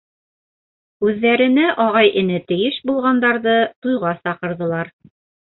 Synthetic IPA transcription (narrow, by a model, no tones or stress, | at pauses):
ʉðːæɾɘ̆nɘʔɑʁɑjʔɘ̆nɘt̪ɘ̆jɘʃbulˠʁɑnd̪ɑɾðɤt̪ujʁɑsɑqɤ̆ɾðɤ̆lˠɑɾ